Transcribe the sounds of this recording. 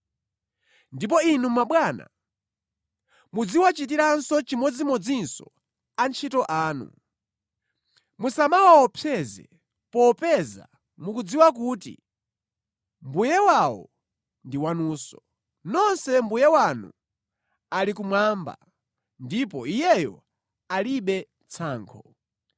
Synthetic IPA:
ndip̬ɔinumaɓwana̰ | mud͡ziwat͡ʃitiɾansɔt͡ʃimɔd͡zimɔd͡zinsɔ̰ | ant͡ʃʰitɔʔaːnṵ | musamawaɔpʰjɛzɛ̰ | pɔpɛza̰ | mukud͡ziwakuːtḭ | mbujɛwawɔ̰ | ndiwanuːsɔ | nɔnsɛmbujɛwanṵ | alikumwamba̰ | ndipɔijɛjɔ | aliɓɛ | t͡sʰaːŋkʰɔ

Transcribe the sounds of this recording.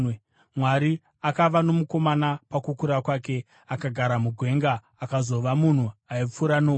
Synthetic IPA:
mwaɾi | akaʋano̞muko̞manapakukuɾakwaːke̞ | akaɡʱaɾamuɡʱwe̞ŋɡaː | kazo̞ʋamun̤uaip͡fuɾano

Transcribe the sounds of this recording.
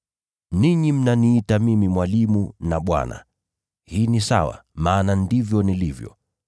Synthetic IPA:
niɲim̩naniːtamimimwalimunaɓwa̰na̰ | hiːnisa̰wa̰maːnandivjɔnilivjɔ̰

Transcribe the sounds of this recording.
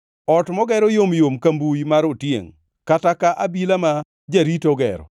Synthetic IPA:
ɔtmɔɡɛɾɔjomjomkambujmaɾotjḛŋ | katakaʔabilama | d͡ʒaɾitɔɡɛ̰ɾɔ̰

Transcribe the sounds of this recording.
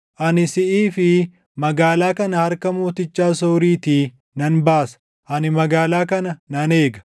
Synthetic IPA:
ʔɐnɪsɪʔiːfɪ | mɐɡaːlaːkɐnɐhɐɾkɐmoːt̪ɪt͡ʃːaːsoːɾiːt̪iː | nɐnbaːsɐ̥ | ʔɐnɪmɐɡaːlaːkɐnɐnɐne̞ːɡɐ̥

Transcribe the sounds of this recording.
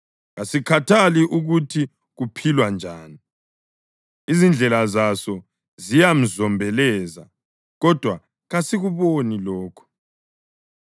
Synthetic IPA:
ɣasikʰatʰaliʔuɣutʰi | ɣupʰilwand͡ʒʱaːni | izind͡ɮʱɛlazasɔ | zijam̩zɔmbʱɛlɛːza̰ | ɣɔd̥ʱwa | ɣasiɣuβonilɔːkʰɔ̥

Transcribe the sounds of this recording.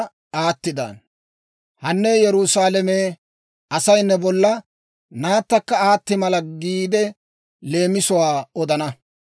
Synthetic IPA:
aːt̪ːɪd̪a̰ːn | hɐnːɛjɛɾusaːlɛmeː | ɐsɐjnːɛbɔlːɐ | naːt̪ːɐkːɐaːt̪ːɪmɐlɐɡiːd̪ɛ | le̞ːmɪsʊwaːɔd̪ɐnɐ

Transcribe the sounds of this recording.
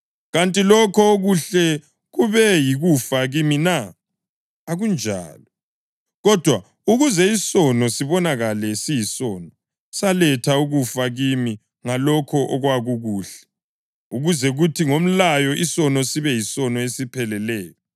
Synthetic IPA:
ɣantʼilɔkʰɔoɣuɬɛ | ɣuβɛjiɣufaɣiminaː | ɣund͡ʒʱa̰ːlɔ | ɣɔd̥ʱwa | uɣuzɛisɔnɔsiβɔnaɣalɛsijisɔnɔ | salɛtʰauɣufaɣimi | ŋalɔkʰɔʔɔɣwaɣuɣuːɬɛ̥ | uɣuzɛɣutʰiŋom̩lajɔʔisɔnɔsiβɛjisɔnɔesipʰɛlɛlɛːjɔ

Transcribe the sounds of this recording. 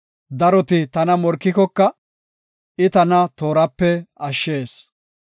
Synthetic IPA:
d̪ɐɾɔt̪ɪt̪ɐnɐmɔɾkːɪkɔkːɐ | ɪt̪ɐnɐt̪o̞ːɾɐpːɛɐʃːe̞ːs

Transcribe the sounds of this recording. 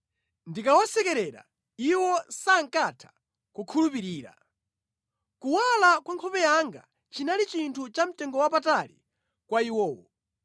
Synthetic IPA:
ndikawasɛkɛɾɛɾa̰ | iwɔsaŋ̩katʰḁ | kukʰulupiɾiːɾa̰ | kuwalakwaŋkʰɔpɛjaŋɡa̰ | t͡ʃinalit͡ʃintʰut͡ʃam̩tɛŋɡɔwapatalḭ | kwaiwɔːwɔ̰

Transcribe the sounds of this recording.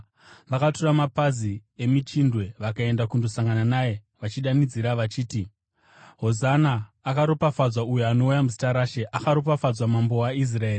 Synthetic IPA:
ʋakaturamapazie̞mit͡ʃindwe̞ʋakae̞ndakundosaŋɡananaje̞ | ʋat͡ʃiɗanid͡ziɾaʋat͡ʃiːti | ɦo̞zanaːkaɾopafad͡zwaujoano̞ujamuzi̥taɾaʃe̞ʔakaɾo̞p̬afad͡zwamambo̞ais̬rae̞ːri

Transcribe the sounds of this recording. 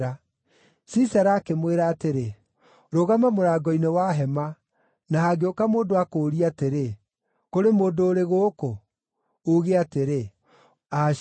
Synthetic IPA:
a | sisaɾaːkemweɾaːteɾe | ɾoɣamamoɾaːɡɔinewaɦɛma | naɦaɡeokamoːdoakoːɾiateɾe | koɾemoːdoːɾeɣoːko | oɣeateɾe | a

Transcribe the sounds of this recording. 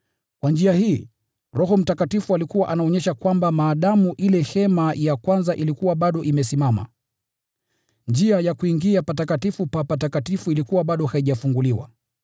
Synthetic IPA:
kwand͡ʒiahiː | ɾɔɦɔm̩takatifualikuwaʔanaɔɲɛʃakwambamaːɗamuʔilɛhɛmajakwanzaʔilikuwaɓaɗɔʔimɛsimama̰ | nd͡ʒiajakuiŋɡiapatakatifupapatakatifuilikuwaɓaɗɔhaiʄafuŋɡuliwa̰

